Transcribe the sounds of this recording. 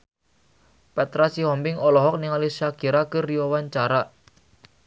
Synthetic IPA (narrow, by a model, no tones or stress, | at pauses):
pɛt̪ɾasihɔmbɪŋɔlɔɦɔk̚niŋalisakiɾakəriɔwaɲt͡ʃaɾa